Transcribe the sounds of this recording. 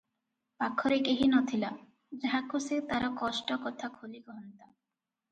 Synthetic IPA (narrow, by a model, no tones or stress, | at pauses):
pakʰːɔɾekeɦinɔt̪ʰila | d͡ʒaɦakʰːoset̪aɾakɔʃʈɔkɔt̪ʰakʰolikɔɦɔnt̪a